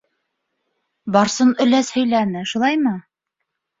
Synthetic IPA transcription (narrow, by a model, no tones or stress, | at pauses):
bɑɾsɤnɵ̆læshɵ̆jlænɘʃulˠɑjmɤ